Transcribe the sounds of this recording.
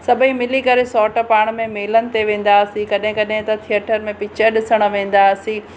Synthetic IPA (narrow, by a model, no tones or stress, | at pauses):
sɐbʱĩmɪlikɐɾesɔːʈəpaːɽ̃mẽmeːlənɪ̆t̪eʋẽːn̆d̪aːɐsĩkɐɗɦɪ̃kɐɗɦɪ̃t̪ɐt̪ʰiəʈəɾmẽpɪt͡ɕəɗɪsəɽ̃ə̆ʋẽːn̆d̪aɐsĩ